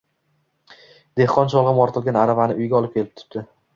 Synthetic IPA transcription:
d̪e̞hqɒnʃ̬ɒlˠʁɨmɒɾt̪ʰɪlɡʲanaɾavanɪʊjɡʲaɒlˠɪp̚kʲʰe̞lɪp̚t̪ʰʊ̥p̪̚d̪ɪ

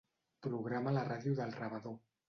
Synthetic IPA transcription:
pɾuɣɾamalaraðjuðəlˠraβaðo

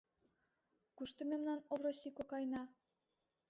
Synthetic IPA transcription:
kuʃt̪ə̆mʲemnɑnoβɾosʲikokɑjnɑ

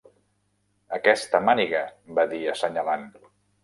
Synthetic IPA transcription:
əkɛst̪əmaniɣəbaðiəsəɲalan

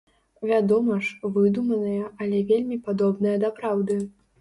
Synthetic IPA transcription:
vʲad̪ɔmɐʂvɨd̪umɐnɐjɐʔɐlʲɛvʲelʲmʲipad̪ɔbnɐjɐd̪ɐpɾawd̪ɨ

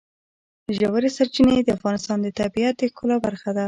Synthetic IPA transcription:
ʒawaɾesaɾt͡ʃined̪əafɣɑnɪst̪ɑnd̪ət̪abijat̪̚d̪əkolabaɾxad̪a

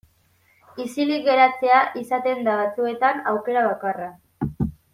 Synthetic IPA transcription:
isiliɣe̞ɾat͡se̞aʔisat̪e̞nd̪aβat͡sue̞t̪anawke̞ɾaβ̞akara

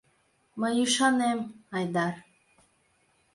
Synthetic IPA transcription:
məjuʃɑnemɑjd̪ɑɾ

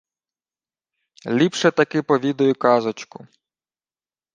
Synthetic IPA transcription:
lʲipʃɛt̪ɐkɪpɔʋʲid̪ɔjʊkɑzɔt͡ʃkʊ

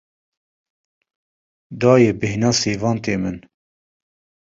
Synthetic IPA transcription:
d̪ɑːjebɨɦinɑːseːvɑːnt̪eːmɨn

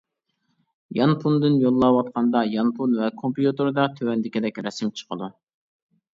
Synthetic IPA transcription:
jɑnpʰund̪ɨnjolˠːɑwɑt̪̚qʰɑnd̪ɑjɑnpʰunvɛkʰompjut̪ɨɾd̪ɑt̪ʰøwɛnd̪ɪkʲid̪ɛkʲɾɛsɪmt͡ʃʰə̥qʰəd̪u

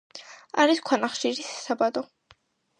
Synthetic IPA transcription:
aɾiskʰwanaχʃiɾisḁsabad̪ɔ

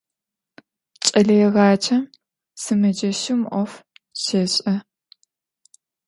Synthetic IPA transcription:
t͡ʃʼɐɮɐjɛʁɑːt͡ʃʰʼɐm | sɨmɐd͡ʒɐʃɪmʔʷɔf | ɕeɕʼɐ

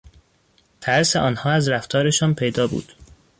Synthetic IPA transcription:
t̪ʰæɾseʔɒːnhɒːæzɾæft̪ʰɒːɾe̞ʃɒːnpʰe̞jd̪ɒːbṵːd̪̥

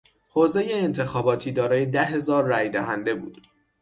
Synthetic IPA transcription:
hoːze̞jeːnt̪ʰexɒːbɒːt̪ʰiːd̪ɒːɾɒːjed̪æɦe̞zɒːɾːæːjd̪æɦænd̪e̞bṵːd̪̥

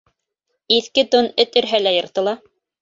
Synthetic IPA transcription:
iθkɘt̪onɵt̪ɵ̆ɾɦælæjɤ̆ɾt̪ɤ̆lˠɑ

